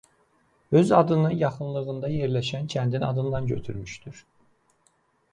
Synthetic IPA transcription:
ø̞zɑd̪ɯnɯjɑχɯnlˠɯɣɯnd̪ɑjeɾlʲæʃæncʰænd̪inɑd̪ɯnd̪ɑnɟø̞̰t̪ʰyɾmyʃt̪ʰyɾ̥

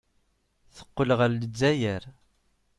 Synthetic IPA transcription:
θə̥qːəlʁəɾləd͡zːæjəɾ

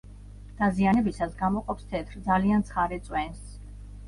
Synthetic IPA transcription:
d̪̥azianɛbisasɡamɔqʼɔpst̪ʰɛt̪ʰɾd̪zaliant̪sʰχaɾɛt̪sʼwɛns

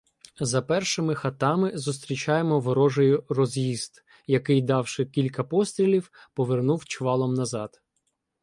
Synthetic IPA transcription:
zɐpɛrʃɪmɪxɐt̪ɑmɪzʊst̪ɾʲit͡ʃɑjemɔʋɔɾɔʒɔjʊrɔzʲjiz̥d̪ | jɐkɪjd̪ɑwʃɪkʲilʲkɐpɔst̪ɾʲilʲiwpɔʋernuwt͡ʃʋɑlˠɔmnɐzɑd̪̥

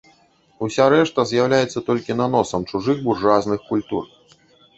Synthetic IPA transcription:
usʲaɾɛʂt̪ɐzʲjawlʲajɛt̪sːɐt̪ɔlʲkʲinan̪ɔsɐmt͡ʂuʐɨɣburʐaznɨxkulʲt̪ur

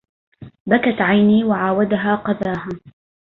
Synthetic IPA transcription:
bakat̪ʕajniːwaʕaːwad̪aɦaːqɑðaːhaː

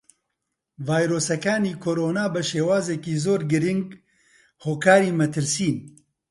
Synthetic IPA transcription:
vaːjɾoːsɐkaːniːkʰoːɾoːnaːbɨʃeːwaːzeːkiːzoːɾɡɨɾɪŋɡ | hoːkʰaːɾiːmɛt̪ʰɨɾsiːn

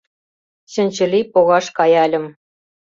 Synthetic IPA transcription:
ɕɘ̆nʲt͡ɕɘ̆lʲipoɣɑʃkɑjɑlʲɤ̆m

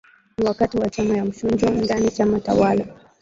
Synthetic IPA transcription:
iwakatiwat͡ʃamajam̩ʃund͡ʒɔndanit͡ʃamata̰wala

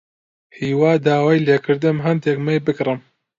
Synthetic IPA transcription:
hiːwaːd̪aːwaːjleːkʰɨɾd̪ɨmɦɨnd̪ɛkmɛjbɨkrɨm

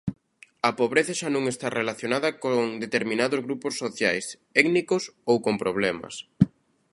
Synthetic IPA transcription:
ɐpoβɾeθɐʃanũŋest̪arʔelaθjonaðɐkoŋd̪et̪eɾmĩnaðʊzɣɾupʊsːoθjajs | ɛɡnikosowkompɾoβ̞lɛmɐ̰s

